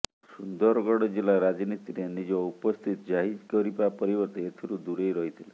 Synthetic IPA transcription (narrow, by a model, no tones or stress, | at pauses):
sund̪ɔɾɔɡɔɽɔd͡ʒilaɾad͡ʒnit̪iɾenid͡ʒɔupɔst̪ʰit̪ɔd͡ʒaɦid͡ʒkɔɾipapɔɾibɔɾt̪eet̪ʰiɾud̪uɾejɾɔɦit̪ʰile